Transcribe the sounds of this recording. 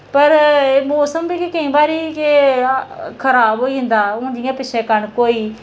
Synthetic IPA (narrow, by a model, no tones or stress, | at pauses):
pəɾmoːsəmbiːkɪkəĩːbaːɾiːke | kʰəɾaːbɦoːiːɦɪ̃nd̪aːʊ̃ːɳɖɪjãːpɪʃʰeːkəɳkoːiː